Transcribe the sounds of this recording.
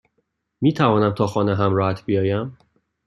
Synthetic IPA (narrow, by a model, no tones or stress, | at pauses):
miːt̪ʰævɒːnæmt̪ʰɒːxɒːneɦæmɾɒːhæt̪ʰbijɒːjæm